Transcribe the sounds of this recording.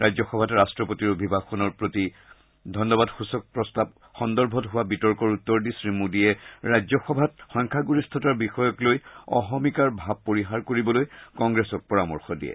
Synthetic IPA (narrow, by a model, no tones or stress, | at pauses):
ɹajzɔxɔbʱatɹastɹɔpotiɹobʱibʱaxɔnɔɹpɹoti | dʱɔnːɔbadxusɔk̚pɹɔstab | xɔndɔɹbʱɔtɦʊwabitɔɹkɔɹutːɔɹdisɹimudiɛɹajzɔxɔbʱatxɔjŋkʰaɡuɹistʰɔtaɹbixɔjɔklojɔ̰ɦɔmikaɹbʱab̚poɹiɦaɹkoɹibɔlojkɔŋɡɹesɔk̚pɔɹamɔ̰ɹxɔdḭɛ̰